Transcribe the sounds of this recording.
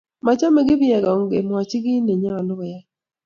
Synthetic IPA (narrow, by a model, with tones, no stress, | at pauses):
ma˨t͡ʃa˦me˨ɡɪ˦bjɛ˨ɡɔ˨ŋɡe˨m˨a˨t͡ʃi˦ɡɪ˦ne˨ɲa˦wa˨lʊ˦bɛ˨ja˦